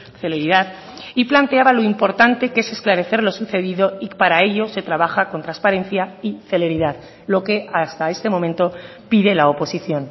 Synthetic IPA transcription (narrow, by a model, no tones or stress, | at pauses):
θe̞le̞ɾiðað | iplant̪eaβalo̞impo̞ɾt̪ant̪e̞ke̞se̞sklaɾe̞θe̞ɾlo̞suθe̞ðiðo̞ipaɾae̞ʎo̞se̞t̪ɾaβaxako̞nt̪ɾanspaɾe̞nθjaiθe̞le̞ɾiðað | lo̞ke̞ast̪ae̞st̪e̞mo̞mẽnt̪o̞ | piðe̞laopo̞siθjo̞n